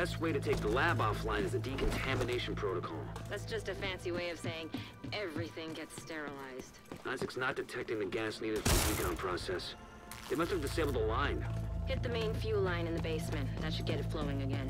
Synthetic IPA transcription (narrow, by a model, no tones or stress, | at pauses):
b̥ɛst̚weɪɾɨtʰeɪk̚ðəlæbɔflãɪ̃nɨzɨdikʰn̩tʰæmɨneɪʃn̩pʰɹ̥oʊɾəkʰɔ̰lˠðætsd̥ʒ̥ʌstɨfæ̃nsiweɪʌv̥seɪɪ̃ŋ | ɛvɹiθɪ̃ŋɡɛtstɛɹəlaɪz̥d̥nãɪ̃nsɨksnət̚d̥ɨtʰɛk̚tɪ̃ŋðɨɡæsniɾɨd̥fə˞ɨdikʰɑ̃mpʰɹ̥ɑsɛs | ðɨɪmʌstɨvdɨseɪbl̩ˠdəlãɪ̃nhɪt̪̚ðɨmẽɪ̃nfjʉlãɪ̃nɨ̃nðɨbeɪsmɨ̃nðɨtʃɨd̚ɡɛɾɨtfloʊɪ̃ŋɨɡɛ̃n